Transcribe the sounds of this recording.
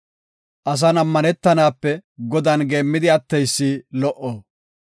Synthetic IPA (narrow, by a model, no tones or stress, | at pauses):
ʔɐs̬ɐnɐmːɐnɛt̪ːɐnaːpːɛɡɔd̪ɐnɡe̞ːmːɪd̪ɪɐt̪ːɛjsːilɔʔo